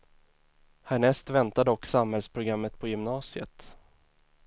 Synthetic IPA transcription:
hæɳɛst̪vɛnt̪ad̪ɔkːsamhɛlspʰɾʊɡɾamːət̪pʰɔjɵmnɑːsɪə̰t̪

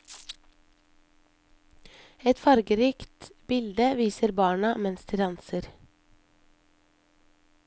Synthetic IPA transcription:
ɛt̪fɑɾɡəɾiːkt̪b̥ɪld̪əʋiːsəɾbɑːɳɑmɛnsd̪iːd̪ɑnsəɾ

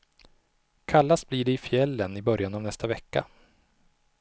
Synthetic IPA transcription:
kʰalːasbliːɖɛɪfjɛlːənɪbœɾjanavnɛst̪avɛkːa̰

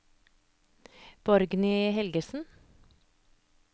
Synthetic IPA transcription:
b̥ɔɾɡnɪhɛlɡəsn̩

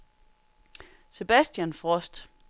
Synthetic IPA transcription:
se̝b̥æsd̥jænfʁɒ̽sd̥

